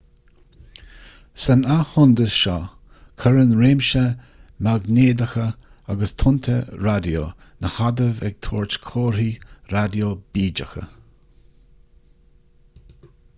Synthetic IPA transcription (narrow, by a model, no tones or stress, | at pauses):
sənahʊnd̪əsʃɔ | kʰəɹənɹeːmʃə | maɡneːd̪əxə | aɡəst̪ʰʊnt̪ʰəɾad̪jo̰ː | nəhad̪əvɛ̰ɡ̥̚t̪ʰoːɹt͡ʃkʰoːɹiːɾad̪job̥iːd͡ʒəxə̰